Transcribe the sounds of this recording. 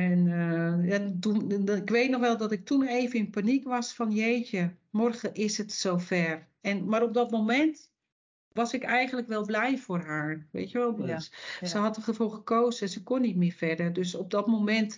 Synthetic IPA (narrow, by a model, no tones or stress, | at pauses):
ɛnjatunɪkʋeːtnɔxʋɛlˠdɔtɪk̚tʰuneːvənɪnpanikʋɔsfɔnjeːt͡ʃəmɔrɣəʔɪsətsoːfɛr | ɛnmaɾop̚dɔtmomɛnt | ʋɔsɪkɛjɣən̩ləkʋɛlˠblɛjfoːrɦaːɹʋḛːtjəʋɔlˠssəɦɑt̚əxəfulˠxəkʰoːzəɛnsəkonːit̚mɪːɹfɛrdərdøsɔp̚dɔtmomɛnt